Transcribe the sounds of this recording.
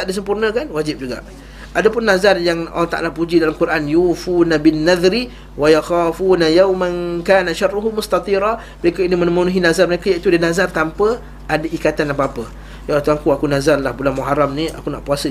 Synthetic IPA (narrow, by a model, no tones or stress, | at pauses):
t̪aʔdis̬əmpurnə̃kanwad͡ʒɪp̚d͡ʒuɡa̰ʔ | adapʊnːazarjaŋa̰lːɔht̪a̰ʔa̰lapud͡ʒidalamkuɾʔanjufunabinːaðɾi | wajaxaːfunajawmankaːnaʃarːuɦumʊst̪ɑt̪ˤiɾa | məɾekəinimənəmunuɦinazarməɾekajait̪udənazart̪ampə | ʔadəʔikat̪anapaapə | jat̪uaŋkuakunazarlahbulahmuɦaɾamnia̰kuna̰ʔpuasə